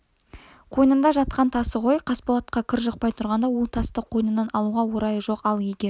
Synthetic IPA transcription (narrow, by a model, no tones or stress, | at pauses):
qʰo̞jnənd̪ɑʒɑt̪̚qɑnt̪ʰɑsəʁo̞jqʰɑspolˠɑt̪̚qɑkʲʰɪɾʒəqpɑjt̪ʰʊɾʁɑnd̪ɑwolˠt̪ʰɑst̪əqʰo̞jnənɑnɑlˠuʁɑwoɾɑjəʒo̞qɑlˠjeɡʲe̞ɾ